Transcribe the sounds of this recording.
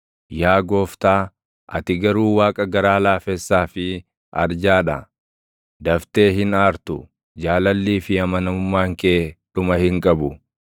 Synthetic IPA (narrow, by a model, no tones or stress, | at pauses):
jaːɡo̞ːft̪aː | ʔɐ̰t̪ɪɡɐɾuːwaːkʼɐɡɐɾaːlaːfɛsːaːfɪ | ʔɐ̰ɾd͡ʒaːᶑɐ | d̪ɐft̪eːɦɪnaːɾt̪ʊ | d͡ʒaːlɐlːiːfɪɐmɐnɐʊmːaːŋkeːᶑʊmɐhɪŋkʼɐbʊ